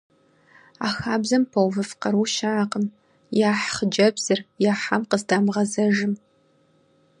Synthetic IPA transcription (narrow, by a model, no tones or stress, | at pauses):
aːxaːbzɐmpʰɐwvɨfqɐɾuːʃaaqəm | jaːħχəd͡ʒɐbz̥ɨrjaːħamqəzdaːmʁɐzɐʒɨm